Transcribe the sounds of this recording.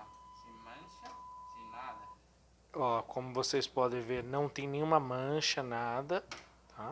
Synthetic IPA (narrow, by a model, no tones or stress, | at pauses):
ɐ̃ʃɐnad̪ɐ | ɔkʰõmʊvosejspɔd̪ẽj̃veɾnɐ̃w̃t̪ẽj̃nẽj̃ũmɐmɐ̃ʃɐnad̪ɐt̪ʰa